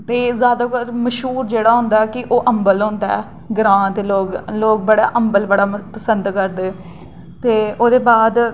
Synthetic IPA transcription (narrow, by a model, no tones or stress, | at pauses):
t̪eːzjaːd̪akəɾməʃɦuːɾd͡ʒeːɽaːɦʊ̃nd̪aːɛːkɪʔoːʔəmbəlɦʊ̃nd̪aɛː | ɡɾãːt̪eloːkloːk̚bəɽaːʔəmbəlbəɽaːpəsənd̪kəɾd̪eː | t̪eːoːd̪eːbaːd̪